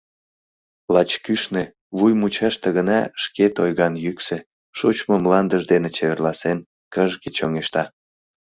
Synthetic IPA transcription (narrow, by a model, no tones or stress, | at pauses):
lɑt͡ɕkyʃne | βujmut͡ɕɑʃt̪əɣənɑʃket̪ojɣɑnjyksĕ | ʃut͡ɕməmlɑnd̪əʒd̪enet͡ɕeβerlɑsen | kəʒɣet͡ɕoŋeʃt̪ɑ